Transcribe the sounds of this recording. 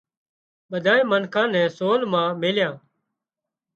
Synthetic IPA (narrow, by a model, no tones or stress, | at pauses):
ɓəd̪ʱaːẽːmənkʰãːnɛ̃ːsoːlmãːmeːljãː